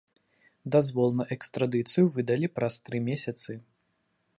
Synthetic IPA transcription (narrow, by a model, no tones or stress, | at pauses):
d̪azvɔlˠnɐʔɛkst̪ɾad̪ɨt̪sɨjuvɨd̪ɐlʲipɾast̪ɾɨmʲesʲɐt̪sɨ